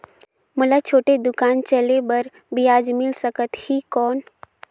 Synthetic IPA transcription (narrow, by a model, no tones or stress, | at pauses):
mʊlat͡ʃʰoːʈed̪ʊkaːnt͡ʃəlebəɾ | bijaːd͡ʒmɪlsəkət̪hikɔːn